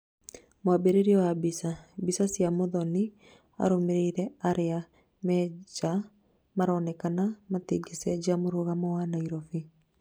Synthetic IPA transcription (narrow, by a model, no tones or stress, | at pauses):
moabeɾeɾiɔwabisabisasjamoðɔni | a̰ɾomeɾeiɾɛaɾea | mɛd͡ʒa | maɾɔːnɛkanamateɡesɛd͡ʒamoɾoɣamɔwanaiɾɔfi